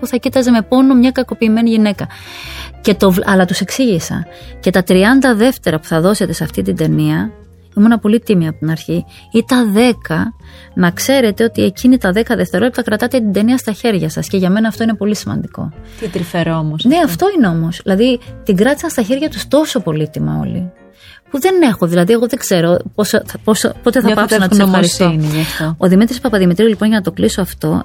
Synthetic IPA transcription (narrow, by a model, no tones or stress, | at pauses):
uθɐcit̪ɐzeme̞po̞nomɲɐkɐko̞piːme̞niʝine̞kɐ | ce̞t̪o̞vlʔɐlɐt̪use̞ksiʝisɐ̰ce̞t̪ɐt̪ɾiɐnd̪ɐðe̞ft̪e̞ɾɐpu̥θɐðo̞se̞t̪e̞seɐft̪it̪ind̪e̞niɐ | imunɐpo̞lit̪imiɐːpot̪inɐɾçi | it̪ɐðe̞kɐ | nɐkse̞ɾe̞t̪e̞o̞t̪ie̞cinit̪ɐðe̞kɐðe̞ft̪e̞ɾo̞lit̪ɐkɾɐt̪ɐt̪e̞t̪ind̪e̞niɐst̪ɐçe̞ɾʝɐsɐsce̞ʝɐme̞nɐːft̪o̞ine̞po̞lisimɐ̰nd̪iko̞̰t̪it̪ɾifeɾomosneɐft̪o̞ine̞o̞mo̞sðilɐðit̪iŋɡɾɐt̪i̥sɐnst̪ɐçe̞ɾʝɐt̪ust̪o̞so̞po̞lit̪imɐ̰o̰lḭ | puðe̞ne̞xo̞ðilɐðie̞ɣo̞ðeɡze̞ɾo̞pospospo̞t̪eθɐpɐsnɐssɐɾistonʝɐft̪ooðimit̪ɾispɐpɐðimit̪ɾilipo̞nʝɐnɐt̪o̞kliso̞ɐft̪o̞